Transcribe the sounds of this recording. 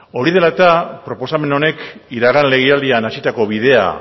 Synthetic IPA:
o̞ɾiðe̞laet̪apɾo̞po̞same̞no̞ne̞kiɾaɣanle̞ɣiald̪ianasit̪ako̞βiðe̞a̰

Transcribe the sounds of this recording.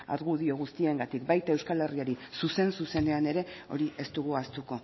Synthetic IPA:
a̰ɾɣuðio̞ɣ̞ust̪ie̞ŋɡat̪ikbajt̪ae̞wskale̞riaɾisuse̞nsuse̞ne̞ane̞ɾe̞o̞̰ɾiʔe̞st̪uɣuast̪uko̞

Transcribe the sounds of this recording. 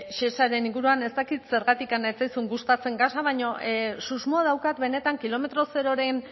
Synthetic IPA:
ʃe̞saɾe̞niŋɡuɾuane̞st̪akit̪se̞ɾɣat̪ikanaet͡sajsuŋɡust̪at͡se̞ŋɡasaβajɲo̞suzmoaðawkat̪be̞ne̞t̪aŋkilo̞me̞t̪ɾo̞se̞ɾo̞ɾe̞n

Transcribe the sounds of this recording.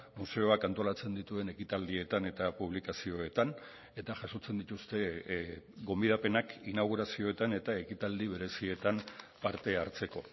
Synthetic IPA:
muse̞o̞akant̪o̞lat͡se̞nd̪it̪ue̞ne̞kit̪ald̪ie̞t̪ane̞t̪apuβlikasio̞e̞t̪an | e̞t̪aʝaso̞t͡se̞nd̪it̪ust̪e̞ | ɡo̞mbiðape̞nakinaɣ̞uɾasio̞e̞t̪ane̞t̪ae̞kit̪ald̪iβe̞ɾe̞sie̞t̪ampaɾt̪e̞aɾt͡se̞ko̞

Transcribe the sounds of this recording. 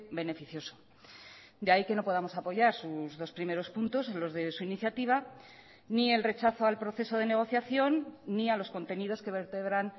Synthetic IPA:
be̞ne̞fiθjo̞so̥ | d̪eaike̞no̞po̞ð̞amo̞sapo̞ʝaɾsuzðo̞spɾime̞ɾo̞spunt̪o̞se̞nlo̞zðe̞suiniθjat̪iβ̞a | nie̞lre̞t͡ʃaθoalpɾo̞θe̞so̞ð̞e̞ne̞ɣ̞o̞θjaθjo̞nːialo̞sko̞nt̪e̞nið̞o̞ske̞βe̞ɾt̪eβ̞ɾan

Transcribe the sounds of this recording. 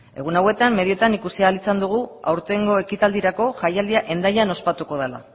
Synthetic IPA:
e̞̰ɣ̞unawe̞t̪amme̞ðio̞t̪anikusialisand̪uɣ̞ua̰wɾt̪e̞ŋɡo̞e̞kit̪ald̪iɾako̞ʝajald̪iaʔe̞nd̪aʎano̞spat̪uko̞ð̞ela̰

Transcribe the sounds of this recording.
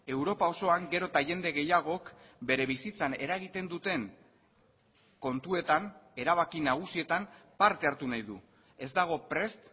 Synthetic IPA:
e̞wɾo̞pao̞so̞aŋɡe̞ɾo̞t̪aʝe̞nd̪e̞ɣe̞jaɣ̞o̞kbe̞ɾe̞βisit͡sane̞ɾaɣ̞it̪e̞nd̪ut̪e̞ŋ | ko̞nt̪ue̞t̪ane̞ɾaβ̞akinaɣ̞usie̞t̪ampaɾt̪e̞aɾt̪unajðu | e̞zd̪aɣ̞o̞pɾe̞st̪

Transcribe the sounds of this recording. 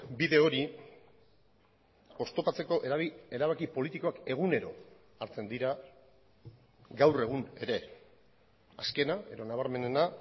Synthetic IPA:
biðe̞o̞ɾi | o̞st̪o̞pat͡se̞ko̞ʔee̞ɾaβakipo̞lit̪iko̞ake̞ɣ̞une̞ɾo̞̰ | aɾt͡se̞nd̪iɾa | ɡawre̞ɣ̞une̞ɾe̞ | aske̞nae̞ðo̞naβ̞aɾme̞ne̞na

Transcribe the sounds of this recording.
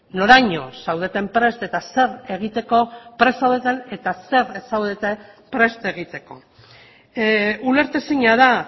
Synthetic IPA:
no̞ɾajɲo̞sawð̞e̞t̪e̞mpɾe̞st̪e̞t̪ase̞re̞ɣ̞it̪e̞ko̞pɾe̞sawðet̪ane̞t̪ase̞ɾesawðet̪e | pɾe̞st̪e̞ɣ̞it̪e̞ko̞ | ule̞ɾt̪esiɲaða

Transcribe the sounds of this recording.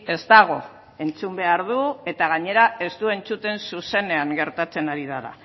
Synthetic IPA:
e̞zt̪aɣ̞o̞ | e̞nt͡sumbe̞aɾðue̞t̪aɣ̞aɲe̞ɾae̞st̪ue̞nt͡sut̪e̞nsuse̞ne̞aŋɡe̞ɾt̪at͡se̞naɾiðaɾa̰

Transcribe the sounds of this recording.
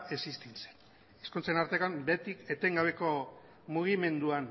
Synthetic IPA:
esist̪inse̥n | eskunt͡senaɾt̪ekambe̞t̪ike̞t̪e̞ŋɡaβ̞e̞ko̞ | muɣ̞ime̞nd̪uan

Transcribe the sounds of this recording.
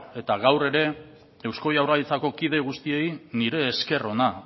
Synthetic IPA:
e̞t̪aɣawre̞ɾe̞ | ewsko̞jawralit͡sako̞kið̞e̞ɣ̞ust̪ie̞jniɾe̞ːske̞ro̞na

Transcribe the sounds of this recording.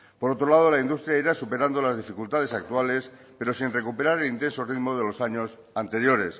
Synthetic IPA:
po̞ɾo̞t̪ɾo̞lað̞o̞laind̪ust̪ɾjaiɾasupe̞ɾand̪o̞lazðifikult̪að̞e̞sak̚t̪uale̞s | pe̞ɾo̞sinre̞kupe̞ɾaɾelint̪e̞nso̞riðmoðe̞lo̞saɲo̞s | ant̪e̞ɾjo̞ɾe̞s

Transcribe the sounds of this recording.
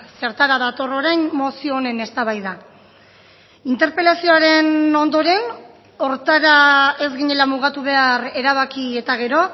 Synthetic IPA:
se̞ɾt̪aɾaðat̪o̞ro̞ɾajnmo̞sio̞ːne̞ne̞st̪aβajða | int̪e̞ɾpe̞lasio̞aɾe̞no̞nd̪o̞ɾe̞n | o̞ɾt̪aɾae̞zɣiɲe̞lamuɣ̞at̪uβ̞e̞are̞ɾaβ̞akie̞t̪aɣ̞e̞ɾo̞

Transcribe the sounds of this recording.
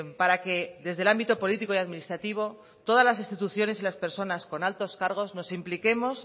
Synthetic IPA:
paɾake̞ðe̞zðe̞lambit̪o̞po̞lit̪ikoijaðminist̪ɾat̪iβ̞o̞ | t̪o̞ð̞azlasinst̪it̪uθjo̞ne̞silaspe̞ɾso̞nasko̞nalt̪o̞skaɾɣ̞o̞zno̞simplike̞mo̞s

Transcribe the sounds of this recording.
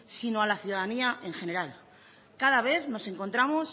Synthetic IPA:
sinoalaθjuðaðaniaʔeŋxe̞ne̞ɾal | kaðaβ̞e̞θno̞se̞ŋko̞nt̪ɾamo̞s

